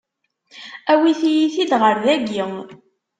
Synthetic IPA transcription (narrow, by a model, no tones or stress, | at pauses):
æwiθijiθid̪ʁəɾðæɡiŋ